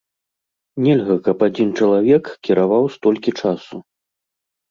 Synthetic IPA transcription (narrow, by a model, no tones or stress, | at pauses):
nʲɛlʲɣɐkɐpad͡zʲint͡ʂɐlˠavʲɛkkʲiɾavawst̪ɔlʲkʲit͡ʂasu